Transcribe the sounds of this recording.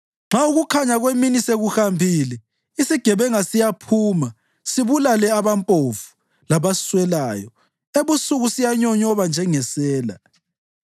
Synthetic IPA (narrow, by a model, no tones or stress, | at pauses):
ŋ͡ǁʱauɣukʰaɲaɣweminiseɣuhambʱilɛ | isiɡ̥ʱɛβɛŋasijapʰuːma | siβulalɛaβampʼofu̥ | laβaswɛlaːjɔ | eβusuɣusijaɲɔɲɔβand͡ʒʱɛŋɛsɛːla̰